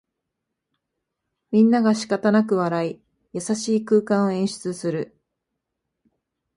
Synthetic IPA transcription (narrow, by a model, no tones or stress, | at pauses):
mʲĩnːaɡaɕi̥kat̪anak̬ɯ̟βaɾai | jasaɕiːkɯ̟ːkãɰ̃oẽ̞ɰ̃ɕɨ̥t͡sɨsɨɾɯ̟